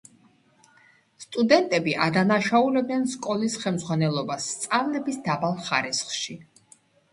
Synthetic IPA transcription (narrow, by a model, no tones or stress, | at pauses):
st̪ʼud̪ɛnt̪ʼɛbiʔad̪anaʃaulɛbnɛnskʼɔlisχɛlmd̪zʁwanɛlˠɔbasːt̪sʼavlɛbisd̪abalˠχa̰ɾisχʃi